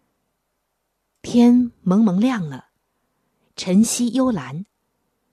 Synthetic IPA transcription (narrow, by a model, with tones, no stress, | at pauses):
pʰjɛ˥nmɤ˧˥ŋmɤ˧˥ŋljɑ˥˩ŋlə˩ | ʈ͡ʂʰə˧˥nɕi˥jo˥ʊla˧˥n